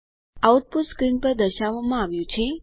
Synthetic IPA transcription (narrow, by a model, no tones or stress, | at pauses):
auʈ̚puʈskɾinpəɾd̪əʃaʋːamãaʋjũt͡ʃʰe